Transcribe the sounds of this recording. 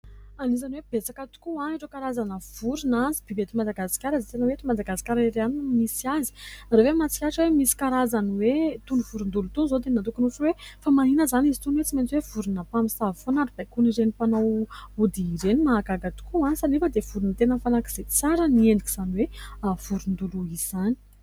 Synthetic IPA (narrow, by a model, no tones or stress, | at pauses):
anizaniweb̥et͡sakət̪u̥kuaniʈ͡ʂəkaɾazanəv̥uɾunazibibet̪imad̪aɡasi̥kʲaɾazit̪enəwet̪imad̪aɡasi̥kʲaɾeɾeanimisiazi̥rawemat͡si̥kʲaʈ͡ʂiwemisi̥kaɾazanwet̪unuvuɾund̪ulut̪unizot̪enat̪̬ukunufwefamaɦinəzanizit̪unwet͡siment͡siwev̥uɾunapamisavfonaɾib̥ajkuniɾenipanawud̪iːɾenimaːɡaɡat̪u̥kuanisanifəd̪ev̥uɾunət̪enəfalakiz̥et͡saɾənienikiz̥aniweav̥uɾund̪uluiz̥anii